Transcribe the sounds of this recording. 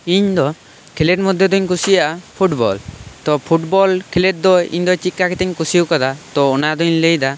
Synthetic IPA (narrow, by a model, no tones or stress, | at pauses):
iɲd̪ɔ | kʰileʈ̚mɔd̪ʱjɔd̪ɔɲkusijaʔpʰuʈbɔ̰lt̪ɔpʰuʈbɔlkʰileʈ̚d̪ɔḭɲd̪ɔt͡ʃikːakɛt̪ɛɲkusiukad̪at̪ɔːnad̪ɔɲləjd̪a